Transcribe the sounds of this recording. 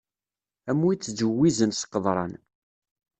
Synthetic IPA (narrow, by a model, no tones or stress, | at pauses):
æmːuit͡sːzəwːizənsqːəðˤɾˤɑ̰n